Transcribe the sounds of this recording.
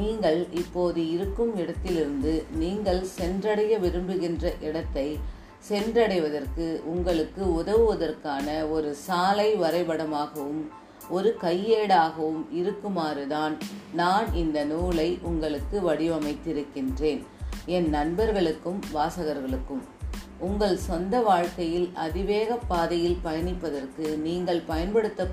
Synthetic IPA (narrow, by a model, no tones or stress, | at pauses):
niːŋɡɐɭɪpːoːðɯɪɾɯkːɯmɪɽɐt̪ːɪlɪɾɯnd̪ɯniːŋɡɐɭsɛndrɐɽɐjɐʋɪɾɯmbɯɣɪndrɐʔɪɽɐt̪ːɐɪ | sɛndrɐɽɐɪʋɐðɐrkɯʔʊŋɡɐɭɯkːɯʊðɐʋɯʋɐðɐrkaːnɐɔɾɯsaːlɐɪʋɐɾɐɪʋɐɽɐmaːɣɐʋɯm | ɔɾɯkɐjːeːɽaːɣɐʋɯmɪɾɯkːɯmaːɾɯðaːnnaːnɪnd̪ɐnuːɭɐɪʔʊŋɡɐɭɯkːɯʋɐɽɪʋɐmɐɪt̪ːɪɾɯkːɪndreːn | ɛnːɐnbɐɾɣɐɭɯkːɯmʋaːsɐɣɐɾɣɐɭɯkːɯm | ʊŋɡɐɭsɔnd̪ɐʋaːɻkɐjɪlɐ̰ðɪʋeːɣɐpːaːðɐjɪlpɐjɐnɪpːɐðɐrkɯniːŋɡɐɭpɐjɐnpɐɽɯt̪ːɐ